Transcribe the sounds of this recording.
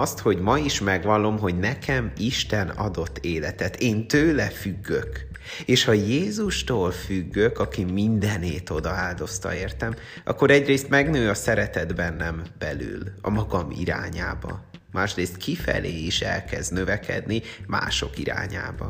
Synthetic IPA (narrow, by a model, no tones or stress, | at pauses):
ɒst̪ho̞ɟmɒiʃmɛɡʋɒlːo̞mɦo̞ɟnɛkʰɛmiʃt̪ɛnɒ̰d̪o̞t̪ːeːlɛt̪ɛt̪ʰeːnt̪øːlɛfyɡːøk | eːʃhɒjeːzuʃt̪oːlfyɡːø̞kɒkimind̪ɛneːt̪o̞d̪ɒaːld̪o̞st̪ɒ̰eːrt̪ɛm | ɒ̰kːo̞ɾɛɟreːst̪mɛɡnøːɒsɛɾɛt̪ɛd̪bɛnːɛmb̥ɛly̰lɒ̰mɒɡɒmḭɾa̰ːɲaːbɒ̰maːʃreːst̪kʰifɛ̰leːiʃɛ̰lkɛznø̞vɛkɛ̰d̪nima̰ːʃo̞̰kiɾa̰ːɲa̰ːbɒ